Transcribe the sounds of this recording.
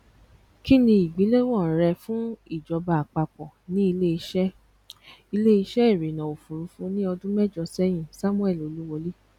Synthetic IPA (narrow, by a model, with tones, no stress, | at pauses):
ki˦nĩ˧i˨ɡ͡bĩ˨˦le˦wɔ̃˦˨ɾɛ˧fũ˦i˦˨d͡ʒɔ˨˧ba˧˨a˨k͡pa˧k͡pɔ˨nĩ˦i˧le˦i˧ʃɛ˦ | i˧le˦i˧ʃɛ˦i˦˨ɾi˨nã˨o˨fu˨ɾu˨˦fũ˦nĩ˦ɔ˧dũ˦mɛ˦d͡ʒɔ˧sɛ˦j̃ĩ˦˨sa˦mũ˦ɛ˦˨lo˨˧˦lu˦wo˧li˦